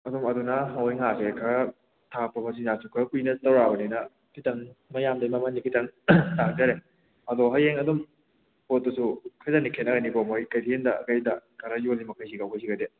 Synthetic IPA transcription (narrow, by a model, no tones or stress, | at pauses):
ɐdumɐdunɐɦawjŋasekʰɐ | tʰak̚pɐmɐs̬inzasukʰɐkujnɐtɐwɾabɐninɐ | tʰitɐŋmɐjamdɐjmɐmanikʰitɐŋtak̚d͡ʒɐɾe | ɐdɔɦajeŋɐdum | pot̚ːɐsukʰajzanikʰenːɐɡɐnibomojkajdiendɐɐ̰kajdɐkʰaɾɐjolːimɐkʰajs̬ikawkʰajsiɡɐde